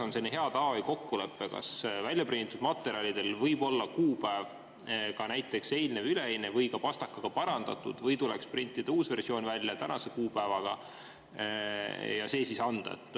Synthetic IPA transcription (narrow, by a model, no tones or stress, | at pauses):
onsenːheɑt̪ɑjko̞kːule̞pːe̞kɑ̰svælʲjɑprinit̪ːˑud̪mɑt̪ːˑe̞ɾiɑlʲid̪e̞lvɤjbo̞lːɑkuːpæev | kɑnæjt̪ˑːe̞kse̞jlnevyleejnevɤjkɑpɑst̪ɑkːɑɡ̥ɑpɑɾɑnd̪̥ɑ̰t̪ṵd̪̥vɤjt̪ulḛksprint̪ːˑid̪̥euːsve̞rsio̞ːnvælʲːjɑt̪ænʔɑse̞kuːpæevɑɡ̥ɑ̰ | jɑse̞ːsisɑnd̪̥ɑ̰et̪ːˑ